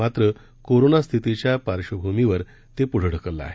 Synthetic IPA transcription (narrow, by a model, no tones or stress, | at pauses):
at̪ɾə | koɾonast̪ʰit̪it͡ɕjapaɾʂəbʱumiʋəɾ | t̪epuɽ̤əɽ̤əkəlːa̰a̰ɦe